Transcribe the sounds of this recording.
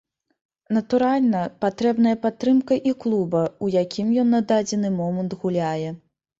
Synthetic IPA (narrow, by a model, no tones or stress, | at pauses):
nɐt̪uɾalʲnɐpat̪ɾɛbn̪ɐjɐpat̪ːɾɨmkɐʔiklˠubɐujakʲimjɔnːad̪ad͡zʲɛnɨmɔmɐnt̪ɣulʲajɛ